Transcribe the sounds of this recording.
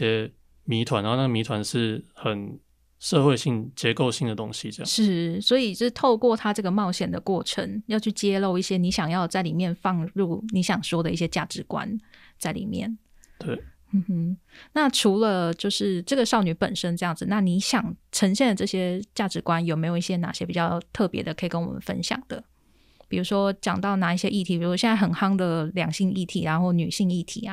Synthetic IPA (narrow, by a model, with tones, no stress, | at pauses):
jɛ˦˥ | mi˧˥t̪ʰwa˧˦na˧˦˥na˥˩ɡə˨mi˧˥t̪ʰwa˧˦nʂɻ̩˥˩xə˨˩n | ʂɤ˥˧xwe˥˧ɪɕi˥˩ŋt͡ɕjɛ˧˥ko˥˧ʊɕi˥˩ŋd̪ə˩t̪o˦˥ŋɕi˧˦ʈ͡ʂɤ˥˧ɑ̰˨ʂʂɻ̩˥˩swɔ˧˥i˨˩t͡ɕʂt̪ʰo˥˧ʊkwɔ˥˩t̪ʰa˥ʈ͡ʂɤ˥˩ɡə˩mɑ˥˩ʊɕjɛ˨˩nd̪ə˦kwɔ˥˩ʈ͡ʂʰə̰˧˦ŋjɑ˥˧ʊt͡ɕʰy˥˩t͡ɕjɛ˥lo˥˧ʊi˥˩ɕjɛ˥ni˧˥ɕjɑ˨˩ŋjɑ˥˧ʊt͡sa˥˩ɪli˨˩mjɛ˥˧nfɑ˥˧ŋɻu˥˩ni˧˥ɕjɑ˨˩ŋʂwɔ˥d̪ə˨˦i˥ɕjɛ˥t͡ɕja˥˩ʈ͡ʂɻ̩˧˥kwa̰˦n | t͡sa˥˩ɪlḭ˨˩mjɛ̰˥˩n | t̪we˥˩ɪ | m̩˥˧˩h̩˥na˥˩ʈ͡ʂʰu˧˥lə˧t͡ɕjo˥˧ʊʂɻ̩˥˩ʈ͡ʂɤ˥˩ɡə˩ʂɑ˥˩ʊny˨˧˥pə̰˨˩nʂə˥nʈ͡ʂɤ˥˧jɑ˥˩ŋd͡zɹ̩˨˩na˥˩ni˧˥ɕjɑ˨˩ŋʈ͡ʂʰə˧˥ŋɕjɛ˥˩d̪ə˩ʈ͡ʂɤ˥˩ɕjɛ˥t͡ɕja˥˩ʈ͡ʂɻ̩˧˥kwa˦njo˨ʊme˧˥ɪo˨˩i˥˩ɕjɛ˥na̰˨˩ɕjɛ˥pi˨˩t͡ɕjɑ˥˧˩ʊt̪ʰɤ˥˩pjɛ̰˧˥d̪ə˧kʰɤ˧˥i˨˩kə˦nwɔ̰˨˩mə̰˦nfə̰˥nɕjɑ̰˨˩ŋd̪ə̰˦ | pi˨˩ɻu˧˥ʂwɔ˥t͡ɕjɑ˨˩ŋt̪ɑ˥˩ʊna˧˦i˥˩ɕjɛ̰˦˥ʔi˥˩t̪ʰi˧˥pi˨˩u˧˦wɕjɛ˧na˥˩xə˨˩nxɑ˥ŋd̪ə˨ljɑ˨˩ŋɕi˥˧ŋi˥˩t̪ʰḭ˨˥ɻa˧˥nxo˥˩ʊny˨˩ɕi˥˧ŋi˥˩t̪ʰḭ˨˥a˦